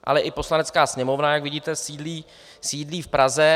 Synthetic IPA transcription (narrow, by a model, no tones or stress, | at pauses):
ʔa̰lɛʔɪpo̞slanɛt͡skaːsɲɛmo̞vnajakvɪɟiːt̪ɛsiːdliː | siːdliːfpɾazɛ